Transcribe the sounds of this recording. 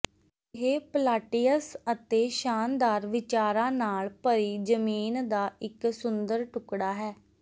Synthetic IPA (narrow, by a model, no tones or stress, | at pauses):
ɦeːpəlaːʈijəsət̪eːʃaːnd̪aːɾʋɪt͡ʃaːɾãːnaːɭpəɾiːd͡ʒəmiːnd̪aːʔɪksʊnd̪əɾʈʊkɽaːɦɛː